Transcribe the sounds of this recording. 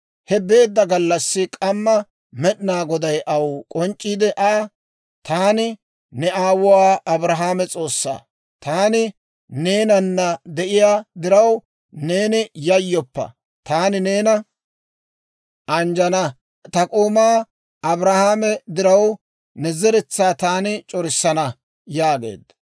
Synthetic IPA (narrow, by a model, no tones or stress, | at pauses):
hɛbe̞ːd̪ːɐɡɐlːɐsːɪkʼɐmːɐ | mɛɗɪnaːɡɔd̪ɐjʔɐwkʼɔnt͡ʃʼːiːd̪ɛʔaː | t̪aːnɪ | nɛaːwʊwaːʔɐbɾɐɦaːmɛt͡sʼo̞ːsːa̰ː | t̪aːnɪ | ne̞ːnɐnːɐd̪ɛʔɪjaːd̪ɪɾɐw | ne̞ːnɪjɐjːɔpːɐ̰ | t̪aːnɪne̞ːnɐ | ʔɐnd͡ʒɐnɐ | t̪ɐkʼoːmaː | ʔɐbɾɐhaːmɛd̪ɪɾɐw | nɛzɛɾɛt͡sːaːt̪aːnɪt͡ʃʼɔɾɪsːɐnɐ | jaːɡe̞̰ːd̪ːɐ